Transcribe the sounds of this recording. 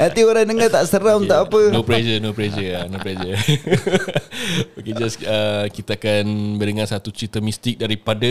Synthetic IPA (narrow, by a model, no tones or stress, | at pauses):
ʔat̪ioɾaŋdəŋat̪aʔsəɾaŋunt̪aʔapənopled͡ʒənopled͡ʒəanopled͡ʒə | oked͡ʒasəkit̪aakanbədəŋansat̪ut͡ʃit̪əmĩst̪ɪk̚daɾipada